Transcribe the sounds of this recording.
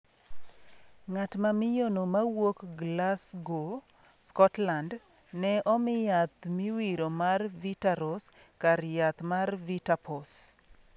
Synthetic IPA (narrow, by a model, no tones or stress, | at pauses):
ŋatmamɪjonomawokɡlasɡo | skɔtland | nɛʔɔmɪjat̪miwiɾomarvitaɾɔs | kaɾjat̪marvitapɔs